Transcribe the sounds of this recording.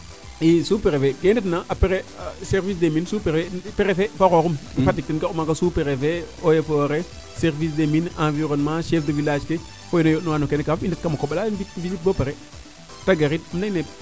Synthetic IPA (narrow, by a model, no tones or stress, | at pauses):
isupeɾefeɡendetnaʔapeɾeseɾvis̬deminsupeɾeepeɾefefakokumfadik̚tinɡakumakasupeɾefeojefoɾe | seɾvis̬deminãviɾonmãʃefdəvilad͡ʒke | fojinojonuwanokenekafindət̚kamokoɓalanitvilit̚bopeɾe | taɡaɾitmnaine